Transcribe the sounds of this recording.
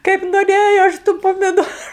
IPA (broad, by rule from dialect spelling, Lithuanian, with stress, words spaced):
kɐɪp noːˈrʲeːjoː ˈɐʃ tʊ pɐmʲɪˈdoːrʊ